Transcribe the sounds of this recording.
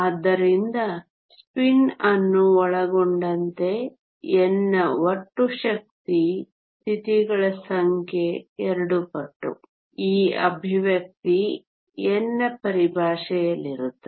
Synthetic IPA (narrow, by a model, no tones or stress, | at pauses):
aːd̪ːɐɾind̪ɐ | spinɐnːuɔɭɐɡoɳɖɐnt̪e̞ | ɛnːɐʋoʈːuʃɐk̚t̪i | st̪ʰit̪iɡɐɭɐsɐŋkʰjeɛɾɐɽupɐʈːṵ | iːɐ̰bʱiʋjɐk̚t̪i | ɛnːɐpɐɾibʱaːʂɐjɐlːiɾut̪ːe